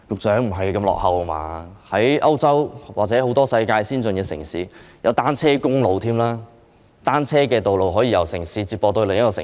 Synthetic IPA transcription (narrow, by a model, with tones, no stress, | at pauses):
jʊ˨k̚t͡sœː˨˥ŋm̩˨˩ɦɐ˨jkɐ˧mlɔ̰ː˨k̚hɐ˨˧wɐ˧ma̰ː˧hɐ˨˥jʔɐ˥wt͡sɐ˥wwaː˨˩t͡sɛː˨˥ho˨˥wt̪ɔː˥sɐ˧jkaː˧jsiː˥nt͡sɵ˨nkɛː˧sɪ˨˩ŋsiː˨˥jɐ˨˧wt̪aː˥nt͡sʰɛː˥kʊ˥ŋlo˨wt̪ʰiː˥mlaː˥ | t̪aː˥nt͡sʰɛː˥kɛː˧t̪o˨wlo˨wɦɔː˨˥jiː˧jɐ˨˩wsɪ˨˩ŋsiː˨˥t͡siː˧p̚ɔː˧t̪o˧wle˨˩ŋjɐ˥kɔː˧ɪ̰˨